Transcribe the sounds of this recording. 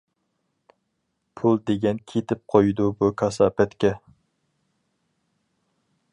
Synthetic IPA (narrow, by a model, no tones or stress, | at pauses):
pʰulˠd̪eɡʲɛnkʲʰet̪ʰɪp̚qʰojd̪ubukʰɑsɑːpɛt̪kʲɛ